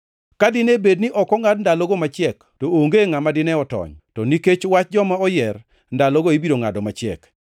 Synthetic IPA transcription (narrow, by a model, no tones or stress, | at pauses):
kadɪnebednɪʔɔkɔŋadndaloɡomat͡ʃɪɛk | tooŋɡeŋamadɪnɛɔtɔ̰ɲtɔniket͡ʃwat͡ʃ̚d͡ʒɔmaɔjɛr | ndalɔɡoibiɾoŋadɔmat͡ʃɪɛ̰k